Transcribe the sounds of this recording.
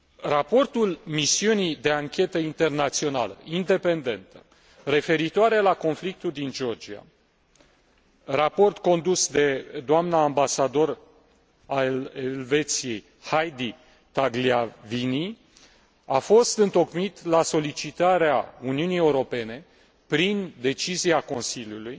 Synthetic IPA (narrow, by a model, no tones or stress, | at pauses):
rapo̞rt̪ulmisiunid̪e̞aŋkʲe̞t̪əint̪e̞rnat̪sio̞nalə̰ind̪e̞pe̞nd̪e̞nt̪ə | re̞fe̞ɾit̪oaɾe̞lako̞nflik̚t̪uld̪ind͡ʒeo̞rd͡ʒia̰ | rapo̞rt̪ko̞nd̪usd̪e̞d̪oamnaːmbasad̪o̞r | aeelve̞t̪sije̞j | hajd̪i | t̪aɡliavini | afo̞st̪ɨnt̪o̞kmit̪laso̞lit͡ʃit̪aɾea̰uniunije̞uɾo̞pe̞ne̞ | pɾind̪e̞t͡ʃiziako̞nsiljuluj